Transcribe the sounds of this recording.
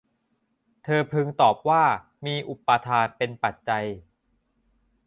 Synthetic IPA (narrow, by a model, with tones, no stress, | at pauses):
t̪ʰɤː˧pʰɯ˧ŋt̪ɔː˨˩p̚waː˥˩ | miː˧ʔu˨˩pːa˧t̪ʰaː˧npe˧npa˨˩t̪̚t͡ɕa˧j